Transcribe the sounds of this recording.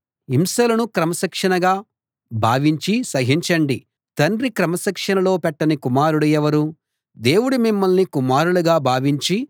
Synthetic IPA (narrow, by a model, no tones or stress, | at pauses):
imsɐlɐnukɾɐmɐsɐkʂɐnɐɡaː | bʱaːʋiɲt͡ʃisɐɦiɲt͡ʃɐɳɖi | t̪ɐɳdɾikɾɐmɐsɐkʂɐnɐlo̞ːpɛʈːɐnikumaːɾuɽujɛʋɐɾu | d̪e̞ːwuɽumimːɐlnikumaːɾuɽuɡaːbʱaːʋiɲt͡ʃi